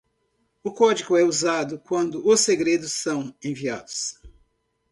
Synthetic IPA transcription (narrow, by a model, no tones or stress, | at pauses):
ʊkɔd͡ʒiɡʊɛuzad̪ʊkwɐ̃nd̪ʊʊseɡɾed̪ʊsːɐ̃w̃ẽvia̰d̪ʊ̥s